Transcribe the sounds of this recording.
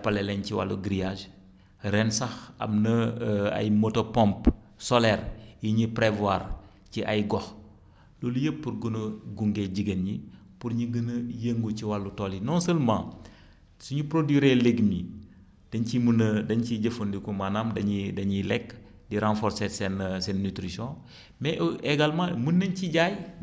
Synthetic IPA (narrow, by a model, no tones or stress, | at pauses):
palɛlɛnciwa̰lːuɡɾijaʒ | ɾɛnsɐxɐ̰mnɐa̰jmotopɔ̃mp | sɔlɛːɾjiɲipɾevwaːr | ciʔajɡɔx | loːlujəpːuɾɡunɐɡuŋɡeɟiɡenɲi | puɾɲiɡənɐjəŋɡuciwalːutolinɔnsəlmãː | suɲupɾodwiɾeleɡmi | d̥ɐɲcimunɐdɐɲciɟɐfondikumanamdɐɲidɐɲilɛk | diɾãnfɔɾsɛtsɛnsɛnːytɾisɔ̃ | mɛeɡalmãːmunːɐnciɟaj